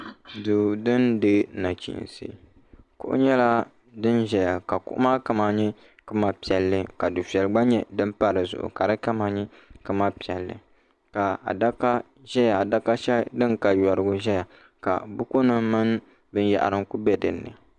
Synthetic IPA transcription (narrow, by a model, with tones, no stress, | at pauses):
du˨dɨ˦ndɨ˦na˨t͡ʃḭ˨nsɨ̰˦˨ | kʊ̰˦ʔʊ̰˦ɲɛ˦la˦ | dɨ˦nʒɛ˨ja˨ka˨kʊ̰˦ʔʊ̰˦ma˦ka˦ma˦ɲɛ˦ | kɨ˦ma˦pi˨ɛ˨lːɨ˦ka˨du˨fi˨ɛ˨lɡ͡ba˦ɲɛ˦dɨ˦mpa˦ɾɨ˨zʊ̰˨ʔʊ̰˨ka˨dɨ˦ka˦ma˦ɲɛ˦ | kɨ˦ma˦pi˨ɛ˨lːɨ̰˨ | ka˨a̰˨da˦ka˦ | ʒɛ˦ja˨a˨da˦ka˦ʃɛ˦dɨ˦ŋka˨jɔ˨ɾɨ˨ɡʊ˦ʒɛ˦ja˨ | ka̰˨bʊ˦ku˦nɨ˦mɨ˦n˦ | bɨ˦n˦ja̰˨ʔa̰˨ɾɨ˦ŋku˦bɛ˦dɨ˨nːɨ̰˨